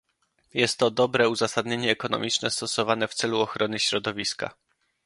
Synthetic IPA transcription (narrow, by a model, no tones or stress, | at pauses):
jɛst̪ːɔd̪ɔbɾɛuzasad̪ɲeɲɛːkɔnɔ̰mʲit͡ʂnɛst̪ɔsɔvanɛft̪sɛluɔxɾɔnɘɕɾɔd̪ɔvʲiska̰